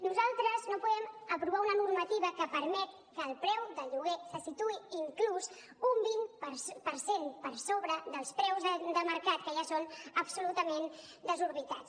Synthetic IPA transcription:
nuzalˠt̪ɾəznopuðɛməpɾuβaunənuɾmət̪iβəkəpəɾmɛt̪̚ | kəːlˠpɾɛwðəʎuɣ̞ɛsəsit̪uiiŋklus | umbinpəpəɾsenpəɾsoβɾəðəlˠspɾɛwzəd̪əməɾkat̪kəʒasonəbsulut̪əmen | d̪əzuɾβit̪at͡s

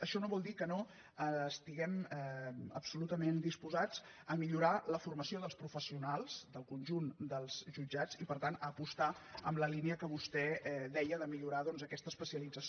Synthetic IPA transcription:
əʃɔnoβɔlˠd̪ikəno | əːst̪iɣɛmɛəpsulut̪əmend̪ispuzad͡z | əmiʎuɾaləfurməsioðəlˠspɾufəsiunalˠz̥d̪əlˠkunʲʒund̪əlˠzʒud͡ʒad͡zipəɾt̪anəpust̪aə̰mləliniəkəβust̪ɛɛðɛjəðəmiʎuɾaðɔnzəkɛst̪əspəsiəlid͡zəs

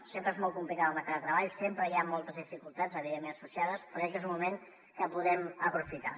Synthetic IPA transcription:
sempɾəezmɔlˠt̪kumplikaðəməɾkaðət̪ɾəβ̞aʎsempɾəjamɔlˠt̪əzðifikulˠt̪ad͡zəβiðemːenəsusiaðəspɾɔɛk̬ezummumeŋ | kəpuðɛməpɾufit̪a̰

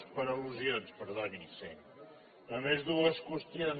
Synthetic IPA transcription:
pəɾəluzijonspəɾðanise | əmezðuəskust̪in

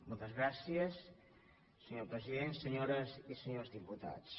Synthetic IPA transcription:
molˠt̪əzɣɾasiəs | səɲopɾəziðensəɲoɾəzisəɲozðiput̪a̰t͡s

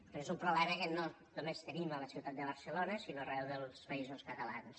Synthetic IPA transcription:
pɾezumpɾuβlɛməkəno | numest̪ənimələsiwt̪at̪̚d̪əβəɾsəlonəsinoərɛwðəlˠspəizoskət̪əla̰ns

